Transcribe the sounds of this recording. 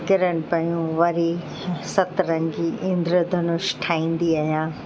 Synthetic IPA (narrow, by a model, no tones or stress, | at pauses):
kɪɾən̆pɐɳijũʋɐɾi | sɐt̪ɾɐ̃ŋɡiʔɪ̃nd̪ɾəd̪ʱənʊʃʈʰaːĩːn̆d̪iaːɦjãː